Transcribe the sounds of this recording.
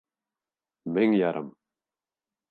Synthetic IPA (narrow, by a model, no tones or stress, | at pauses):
mɪŋjɑɾʔɤ̰m